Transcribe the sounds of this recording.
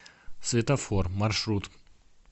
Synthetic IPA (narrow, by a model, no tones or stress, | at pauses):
svʲɪt̪ɐformɐrʂɾut̪